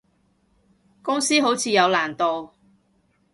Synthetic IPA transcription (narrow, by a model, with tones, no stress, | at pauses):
kʊ˥ŋsiː˥ɦo˨˥wt͡sʰiː˨˧jɐ˨˧wlaː˨˩nt̪o˨w